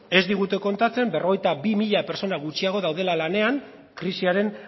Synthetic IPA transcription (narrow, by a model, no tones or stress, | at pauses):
e̞zd̪iɣ̞ut̪e̞ko̞nt̪at͡se̞mbe̞rʔo̞ɣ̞e̞jt̪abimiʎape̞ɾt͡so̞naɣ̞ut͡ʃiaɣ̞o̞ðawðe̞lalane̞aŋ | kɾisiaɾe̞n